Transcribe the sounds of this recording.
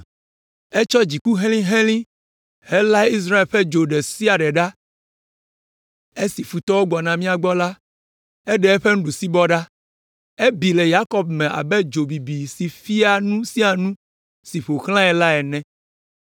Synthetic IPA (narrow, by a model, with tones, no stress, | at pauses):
e˦t͡ʃɔ˦d͡ʑi˨ku˦ɦẽ˦lĩ˦ɦẽ˦lĩ˦ | he˦la˦i˦s̬ɾa˦e˨lɸɛ˦d͡ʒo˨ɖɛ˨si˦a˨ɖɛ˨ɖa˦ | e˦si˨fu˨t̪ɔ˦wo˦ɡ͡bɔ˨nã˨mĩ˦a˨ɡ͡bɔ˦la˦ | e˦ɖɛ˦ɛ˦ɸe˦ŋũ˦ɖu˨si˦bɔ˦ɖa˦ | e˦bi˨le˨ja˦kɔ˦b̚mɛ̃˨ʔa̰˨bɛ˦d͡ʒo˨bi˨bi˨si˨fi˦a˨nũ˦si˦a˨nũ˦ | si˨ɸo˨xl̃ã˦ɛ˨la˦ɛ˨nɛ̃˦